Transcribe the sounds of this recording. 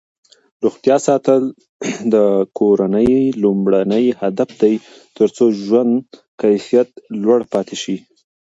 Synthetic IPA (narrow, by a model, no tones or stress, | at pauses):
ɾuxt̪jɑsɑt̪əl | d̪əkʰoɾanəjlumɽanəjhad̪afd̪aj | t̪əɾt͡soʒwand̪ | kajfijat̪lwaɽpɑt̪eʃi